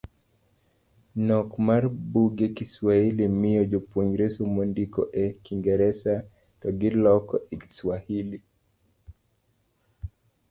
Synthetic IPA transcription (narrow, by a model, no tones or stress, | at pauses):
nɔkmaɾbuɡɛkiswahilimiɔd͡ʒɔpuŋɡɾesumondikɔ̰ʔɛkiŋɡɛɾɛsa | tɔɡilɔkɔɛki̥swahili